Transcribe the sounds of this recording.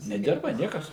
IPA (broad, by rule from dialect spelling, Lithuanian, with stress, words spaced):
nʲɛˈdʲɪrbɐ ˈnʲiɛkɐs